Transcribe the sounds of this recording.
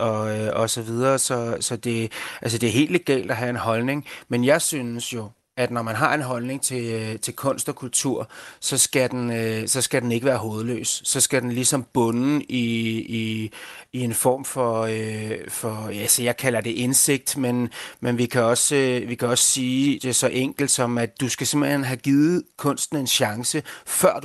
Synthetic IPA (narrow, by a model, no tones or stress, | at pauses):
ʔɒ̽ɒ̽sɒ̽ʋið̞ˠɐːsɒ̽sɒ̽d̥e̝æls̬əd̥e̝æɐɦe̝̰ːld̥leɡ̥ɛ̰ːld̥æɦæe̝nɦɒ̽lne̝ŋmenjɑ̈ɪsynsjo̝ | ʔæd̥nɒmænɦɑ̈e̝nɦɒ̽lne̝ŋt͡sʰe̝t͡sʰe̝lkʰɔ̽n̰sd̥ɒ̽kʰult͡sʰuɐ̰sɒ̽sɡ̥æd̥enøsɒ̽sɡ̥æd̥ene̝ɡ̥əʋæːɐɦo̝ːð̞̩ˠlø̰ːsːɒ̽sɡ̥æd̥enlisɒ̽mb̥ɔ̽nii | ie̝nfɒ̰ːmfɒ̽øfɒ̽jæsijɑ̈ɪkʰælɐd̥e̝ʔe̝nse̝ɡ̥̚d̥menmenʋikʰæɒ̽sʋikʰæɒ̽ssiːd̥e̝sɒ̽ʔeŋ̰ɡ̥l̩d̥sɒ̽mæd̥ːusɡ̥æse̝m̰b̥l̩hḛnɦæɡ̥ið̩ˠkʰɔ̽n̰sd̥n̩e̝nɕɑ̈ŋsəfɶɐ̰d̥